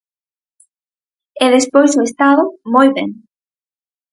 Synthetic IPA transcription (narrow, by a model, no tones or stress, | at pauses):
ɛðespojsoest̪aðʊmojβḛŋ